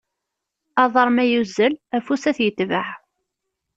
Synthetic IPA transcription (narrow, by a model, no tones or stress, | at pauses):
ɑðˤəɾˤmæjuzːəlæfusæθjət̪ːvəʕ